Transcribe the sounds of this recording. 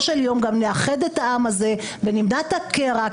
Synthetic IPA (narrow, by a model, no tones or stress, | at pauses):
ʃeljo̞mɡamneaχedetaʔamaze̞ | venimdat̪akeʁa